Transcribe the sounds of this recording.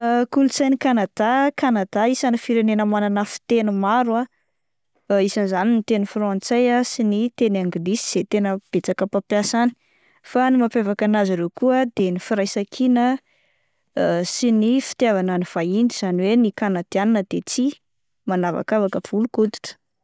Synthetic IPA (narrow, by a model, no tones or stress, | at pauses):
kulut͡sajnikanad̪̥akanad̪̥aisanifiɾenenəmananəfi̥t̪enumaɾua | isanizaninit̪enifrɔ̃nt͡sejasinit̪enaŋɡilisiz̥et̪enəb̥et͡sakəpapjasani̥ | fanimapavakanaziɾekuəd̪enifiɾajsakʰinə | sinifi̥t̪javananiv̥aind̪iz̥aniwenikanad̪̥ianinəd̪̥et͡si | manava̰kavakəv̥ulukut̪i̥t̪ə̥